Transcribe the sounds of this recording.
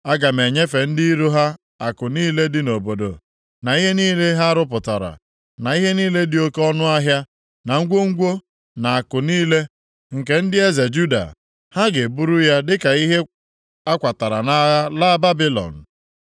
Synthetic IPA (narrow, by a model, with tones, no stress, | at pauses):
a˦ɡa˨me˨ɲe˦fe˨n̩˦dɪ˦ɾu˦ɦa˦ | a˨kʊ˨niː˦le˦dɪ˦no˨bo˨do̰˨ | na˨i˦ɦe˦niː˦le˦ɦa˦ɾʊ˦p̬ʊ˨ta˨ɾa̰˨ | na˨i˦ɦe˦niː˦le˦dɪ˨˦o˦ke˦ɔ˦nʊ˦a˦ɦja˦ | na˨ŋ̩˦ɡʷo˦ŋ̩˦ɡʷo˦ | na˨a˨kʊ˨niː˦le˦ | ŋ̩˨ke˨n̩˦dɪ˦e˦ze˨d͡ʒu˦da̰˨ | ha˦ɡe˨bu˦ɾʊ˦ja˦dɪ˦ka˨i˦ɦe˦ | a˦kʷa˨ta˨ɾa̰˨na˨˦la˦ba˦bi˦lɔ̰˨n̩˨